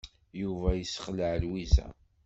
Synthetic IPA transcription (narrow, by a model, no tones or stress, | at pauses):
juvæjəsːə̥χləʕlwizæ̰